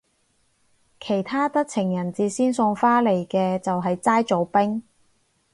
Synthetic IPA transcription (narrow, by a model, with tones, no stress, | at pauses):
kʰe˨˩jt̪ʰaː˥t̪ɐ˥k̚t͡sʰɪ˨˩ŋjɐ˨˩nt͡siː˨˧siː˥nsʊ˧ŋfaː˥le˨˩jkɛː˧t͡sɐ˨wɦɐ˨jt͡saː˥jt͡so˨˧wpɪ˥ŋ